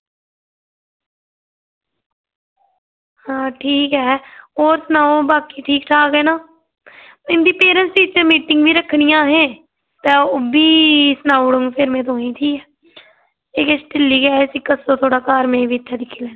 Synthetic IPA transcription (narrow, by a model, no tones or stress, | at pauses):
hãːʈʰiːkɦɛːoːɾsənaːõːbaːkiːʈʰiːkʈʰaːkɛːnaː | mɪ̃nd̪iːpeːɾə̃nsiːt͡ʃəmiːʈɪŋɡʋiːɾəkʰːnɪjãːɦɛ̃ː | t̪ɛ̃ːoːbiːsnaːɽʊ̃ŋɡpʰɪɾmẽːt̪̬oːĩːt̪ʰiːkɛː | eːkesʈɪlːiːɡɛːsiːkəsõːt̪ʰoːɽaːkaːɾmẽːʋiːt̪ʰːɛːd̪ɪkʰːilɛːn